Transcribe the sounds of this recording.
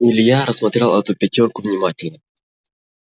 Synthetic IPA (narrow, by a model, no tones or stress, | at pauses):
ɪlʲjaɾəsmɐt̪ɾʲalˠɛt̪upʲɪtʲorkʊvnʲɪmatʲɪlʲnə